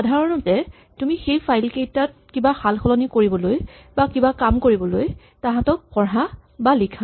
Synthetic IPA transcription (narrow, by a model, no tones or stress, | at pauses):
adʱaɹɔnɔtɛ | tumixejpʰajlkejtat̚kibaxalxɔlɔnikoɹibɔloj | bakibakamkoɹibɔloj | taɦãtɔk̚pɔɹɦabalikʰa